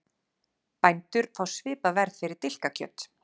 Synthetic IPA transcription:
pajnt̪ʏɾ̥fawsvɪːpavɛɾð̥fɪɾɪɾ̥t̪ɪl̥kacʰœ̰t̪

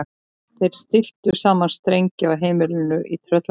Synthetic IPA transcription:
θejɾ̥st̪ɪl̥t̪ʏsaːmanst̪ɾejɲcɪawɦeːjmɪlɪnʏʔit̪ʰɾœt̪l

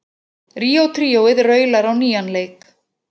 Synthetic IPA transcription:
ɾiːowt̪ʰɾiːowɪðrœɥlaɾawniːanlejk

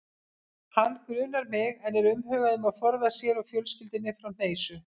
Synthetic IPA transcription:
hanːkɾʏːnaɾmɪɣɛnɛɾʏmɦœːɣaðʏmaðfɔɾðasjɛɾawfjœlscɪlt̪ɪnːɪfɾawn̥eːjsʏ

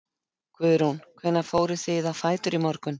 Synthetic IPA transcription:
kʰvʏːðɾunkʰvɛnːafoːwɾɪθɪðafaːjt̪ʏɾimɔɾkʏn

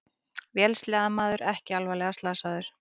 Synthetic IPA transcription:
vjɛːlslɛːɣðamaːðʏɾɛhcɪalvalɛɣast̪laːsaːðʏɾ̥

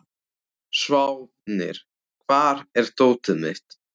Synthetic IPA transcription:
svaw | nɪ̰ɾ̥ | kʰvaːɾɛɾ̥t̪oːwt̪ʏmɪ̰ht̪

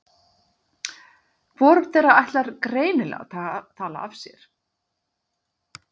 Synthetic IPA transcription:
vɔɾʏm̥θejɾaajht̪laɾkɾeːjnɪlɛ̰ɣa̰t̪ʰat̪ʰaːla̰avsjɛ̰ɾ̥

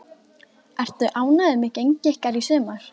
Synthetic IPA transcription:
ɛr̥t̪ʏʔaːwnaðɪmɪcejɲcɪhkaɾisʏːmaɾ̥

